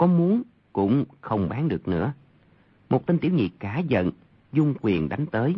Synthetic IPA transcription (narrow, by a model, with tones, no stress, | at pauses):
kɔ˨˦mu˨˦ən | kʊ̰˧˥ŋ͡mxə˧wŋ͡mɓaː˨˦nɗɨ˨˩ək̚nɨ̰˧˥ə | mo˨˩t̚t̪i˧ŋ̟t̪i˧˩wɲḭ˧˨kaː˧˩zə̰˧˨n | zʊ˧ŋ͡mkwi˨˩ənɗa˨˦jŋ̟t̪əː˨˦j